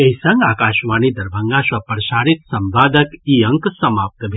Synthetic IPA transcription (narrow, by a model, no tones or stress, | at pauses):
eɦisɐŋɡaːkaːʃʋaːnid̪ɐɾbʱəŋɡaʃʋɐpɾɐʃaːɾit̪sɐmbaːd̪əkiɐŋksɐmaːp̚t̪bʱ